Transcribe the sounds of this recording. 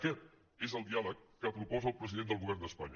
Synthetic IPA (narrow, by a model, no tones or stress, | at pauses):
kɛt̪ | ezəlˠd̪ialəkːəpɾupɔzəːlˠpɾəziðend̪əlˠɣuβɛrnd̪əspaɲə